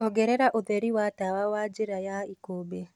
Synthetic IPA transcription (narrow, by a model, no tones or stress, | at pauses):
ɔɡɛɾɛɾaʔoðeɾiwatawawad͡ʒɪɾajaikoːbe